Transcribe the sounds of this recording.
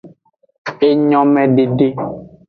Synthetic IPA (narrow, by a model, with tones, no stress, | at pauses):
e˦ɲɔ̃˦mɛ̃˨ɖe˨ɖe˦